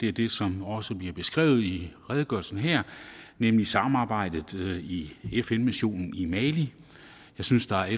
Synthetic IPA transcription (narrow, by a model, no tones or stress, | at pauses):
d̥e̝æɐd̥e̝sɒ̽mɒ̽səb̥liɐb̥e̝sɡ̥ʁɛ̰ːʊð̞̩ˠiʁɛːðˠɡ̥ɶ̰ɐlsn̩ɦɛɐ̰nemlisɑ̈mm̩ɑ̈ːb̥ɑ̈ɪ̰d̥ð̩ˠiefenmiɕo̝̰ːnn̩imɛli | jɑ̈ɪsynsd̥ɑ̈æɐe